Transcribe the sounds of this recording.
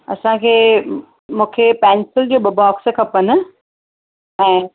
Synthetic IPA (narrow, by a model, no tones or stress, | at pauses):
ɐ̰sãkʰeː | mũːkʰepɛːnsɪld͡ʑoːɓɐbaːkskʰɐpən̆ | ɛ̃ː